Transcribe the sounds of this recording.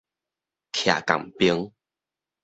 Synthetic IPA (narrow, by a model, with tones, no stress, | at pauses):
kʰja̰˨˩ka̰˨˩ŋpi˦ŋ